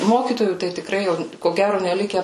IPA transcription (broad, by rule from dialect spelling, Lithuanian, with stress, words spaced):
ˈmoːkʲiːtoːjuː tɐɪ tʲɪˈkrɐɪ jɛʊ koː ˈɡʲæroː nʲɛˈlʲɪkʲɛ